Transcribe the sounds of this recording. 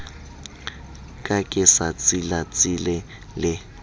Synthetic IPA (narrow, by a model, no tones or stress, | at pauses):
kʼakʼɪsat͡sʼilat͡sʼɪlɛ | lɪ